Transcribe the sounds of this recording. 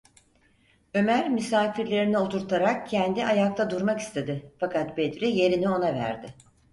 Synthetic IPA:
ø̞mæɾmysaːfiɾlʲe̞ɾinio̞t̪ʰuɾt̪ʰaɾak̚cʰɛnd̪iʔajak̚t̪ʰad̪uɾmaki̥st̪ʰe̞d̪ɪfakʰat̪bed̪ɾije̞ɾinio̞navæ̰ɾd̪ɪ

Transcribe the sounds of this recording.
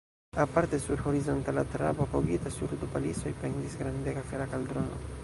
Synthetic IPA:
apaɾtesuɾxoɾizontalat̪ɾa̰bopoɡitasuɾd̪upaliso̞jpendisɡɾandeɡafeɾakald̪ɾono

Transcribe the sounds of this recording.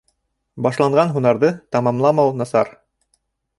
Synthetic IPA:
bɑʃlˠɑɴʁɑnɦunɑɾðɤt̪ɑmɑmlˠɑmɑwnɑsɑ̰ɾ

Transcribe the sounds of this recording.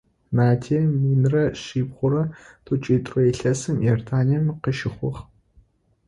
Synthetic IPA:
naːdʰemiːnrɐɕiːbʁʷʊɾɐtʰoːt͡ʃʼiːtʼroɛɬɐsɨmjɛrtʰaːniɛmqəʃɪχʷʊχ

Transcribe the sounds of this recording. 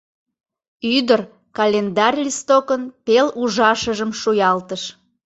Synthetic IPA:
yd̪ər | kɑlʲend̪ɑrʲlʲist̪okənpeluʒɑʃəʒəmʃujɑlt̪əʃ

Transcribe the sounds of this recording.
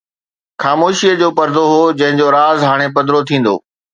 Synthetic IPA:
xaːmoːʃiəd͡ʑoːpɐɾd̪ʱoɦoːd͡ʑɐ̃ɦɪ̃ɲd͡ʑoɾaːzɦaːɽ̃epɐd̪ɾot̪ʰĩːn̆d̪o̰ː

